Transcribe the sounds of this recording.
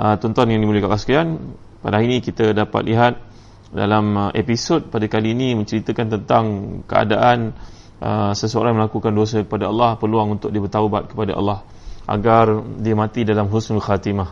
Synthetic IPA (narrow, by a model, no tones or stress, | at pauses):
ʔət̪ɔnt̪ɔnjaŋdimuləkaʔlasə̥kian | pa̰daainĩkit̪ədapa̰t̪̚liɦat̪̚ | da̰lamʔḛpisod̚padakaliːnĩmə̃ɲt͡ʃəɾit̪əkant̪ənt̪aŋkəa̰daʔan | ʔə̰səsəo̰ɾajməlakukandos̬əkə̥padaɑlːɑhpərluaŋunt̪ʊk̚diəbət̪aubat̪̚kə̥padaʔɑ̰lːɑh | ʔa̰ɡardiəmãt̪idalamɦusnlxat̪imah